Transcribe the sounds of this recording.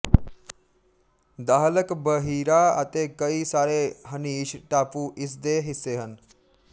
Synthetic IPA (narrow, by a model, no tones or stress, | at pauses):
d̪aɦləkbəɦiɾaa̰t̪ekəisaɾeɦəniːɕʈapuːʔisd̪eɦiseɦən